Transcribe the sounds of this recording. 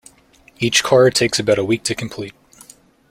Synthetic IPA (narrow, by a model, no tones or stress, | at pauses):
it͡ʃkʰɑɹtʰeɪksɨbaʊɾəwik̚tʰɨkʰm̩pʰl̥it̚